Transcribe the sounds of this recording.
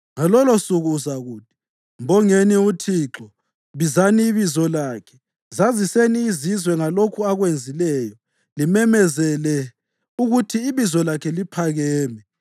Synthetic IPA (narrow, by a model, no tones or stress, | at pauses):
ŋalɔlosuɣuːzaɣuːd̥ʱi̥ | mbɔŋeniutʰiːǁɔ | βizaniːβizɔlaːkʰɛ̥ | zaziseniːzizwɛŋalokʰuaɣwend͡zʱilɛːjɔ | limɛmɛzɛlɛ | uɣutʰiːβizɔlakʰɛlipʰaɣɛːmɛ